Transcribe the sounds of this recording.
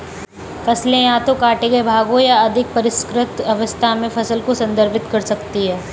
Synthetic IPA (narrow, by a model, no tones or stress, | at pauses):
fɐslẽjãːt̪okaːʈekebʱaːɡõjaɐd̪ʱɪk̚pɐɾɪskɾɪt̪ɐʋəst̪ʰamẽfɐsəlkosɐ̃nd̪ʱəɾpɪt̪kɐɾsɐkt̪iɦɛː